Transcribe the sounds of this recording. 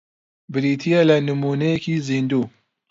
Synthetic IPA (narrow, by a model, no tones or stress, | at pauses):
bɪɾiːt̪ʰijɐlɐnɨmuːnɐjekiːziːnd̪uː